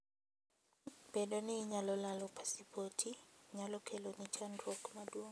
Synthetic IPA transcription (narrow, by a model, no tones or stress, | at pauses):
bɛdoniɲalɔlalɔpʰḁsipotʰiɲalɔkʰɛlonit͡ʃandɾɔkmadwoŋ